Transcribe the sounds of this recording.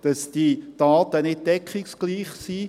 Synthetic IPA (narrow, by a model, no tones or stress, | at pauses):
d̥ɑsd̥id̥ɑːt̪ənɪt̚dɛkχiksɡ̥liːχsiː